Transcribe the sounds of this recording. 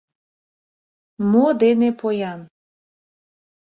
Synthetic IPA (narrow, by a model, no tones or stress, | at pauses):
mod̪enepʰojɑn